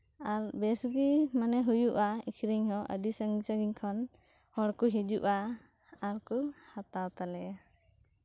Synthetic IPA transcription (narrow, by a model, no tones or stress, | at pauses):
aɾbɛsɡimanɛɦujuʔaḭkʰɾiɲɦɔʔə̰d̪isəŋɡisaɡiɲkʰɔn | hɔɽkuɦid͡ʒuʔaː | ɾkuhat̪awt̪alɛja